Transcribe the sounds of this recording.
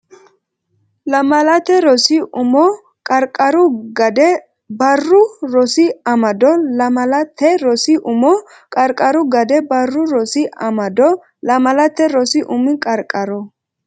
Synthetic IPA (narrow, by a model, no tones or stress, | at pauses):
lɐmɐlɐt̪ɛɾɔsiʔʊmɔ | kʼɐɾkʼɐɾʊɡɐd̪ɛ | bɐrːʊɾɔsɪɐmɐd̪ɔlɐmɐlɐt̪ʰːɛɾɔsiʔʊmɔ | kʼɐɾkʼːɐɾʊɡɐd̪ɛbɐrːʊɾɔsɪɐmɐd̪ɔ | lɐmɐlɐt̪ːɛɾɔsɪʔʊmɪkʼɐɾkʼːɐɾɔ